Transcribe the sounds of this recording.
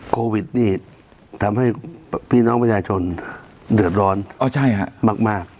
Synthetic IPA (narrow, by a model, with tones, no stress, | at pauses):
kʰoː˧wi˨˩t̪̚niː˥˩ | t̪ʰa˧mha˥˩jpʰiː˥˩nɔː˦˥ŋpʰa˧˩t͡ɕʰaː˧t͡ɕʰo˧n | dɯ˨˩ət̪̚ɾɔː˦˥nʔɔː˧˩t͡ɕʰa˥˩jka˦˧˥maː˥˩k̚maː˥˩k̚